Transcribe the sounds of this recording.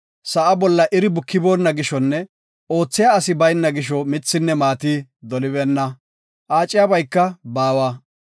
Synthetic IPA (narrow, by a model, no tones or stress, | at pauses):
sɐʔɐbɔlːɐʔɪɾɪbʊkːɪbo̞ːnːɐɡɪʃɔnːɛ | o̞ːt͡sːɪjaɐsɪbɐjnːɐɡɪʃ̬ɔmɪt͡sːɪnːɛmaːt̪iːd̪ɔlɪbɛnːɐ | ʔaːt͡ʃʼːɪjɐbɐjkːɐbaːwɐ